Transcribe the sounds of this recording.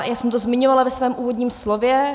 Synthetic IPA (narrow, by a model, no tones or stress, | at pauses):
jaːsɛmt̪ozmɪɲovalavɛsvɛːmʔuːvodɲiːmslovjɛ